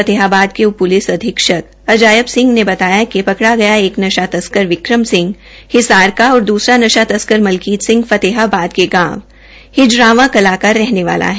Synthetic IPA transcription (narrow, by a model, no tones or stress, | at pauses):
ɐt̪ɪːɦabaːd̪̚kepʊlɪsɐd̪ʱɪkʃək̪ | ɐd͡ʒaːjəbsɪ̃ŋɡnebɐt̪aːjakipɐkɽaɡɐjaeːknɐʃat̪ɐskəɾʋɪkɾəmsɪ̃ŋɡ | hɪsaːɾkaɔːɾd̪uːsɾanɐʃat̪ɐskəɾmɐlkiːt̪sɪ̃ŋɡfɐt̪eɦabaːd̪̚keɡãːʋ | hɪd͡ʒɾaːʋãkɐlaːkaɾːɛɦneʋa̰ːlʔa̰ɦɛ